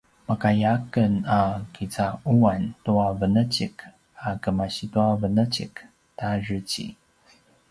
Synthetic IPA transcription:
makajakənakit͡sauantuavənət͡ɕik | akəmaɕituavənət͡ɕik | taɹət͡ɕḭ

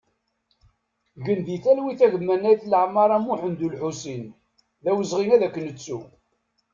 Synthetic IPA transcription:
ʝəndiθælwiθæʝəmːænːæjθləʕmɑɾˤæmuħənd̪ulħusin | ðæwəzʁinæðækːənət͡sːu

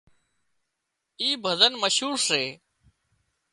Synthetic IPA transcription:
iːbʱəzənməʃɦuːɾseː

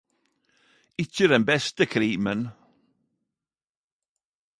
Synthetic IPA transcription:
ɪçəd̪ɛnbɛst̪əkʰɾiːmən

